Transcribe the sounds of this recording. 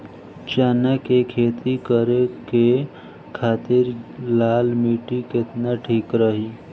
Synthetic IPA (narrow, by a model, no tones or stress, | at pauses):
t͡ʃaːnakekʰeːt̪ikəɾeke | kʰaːt̪ɪɾlaːlmiːʈikɪt̪naʈʰiːkɾəɦi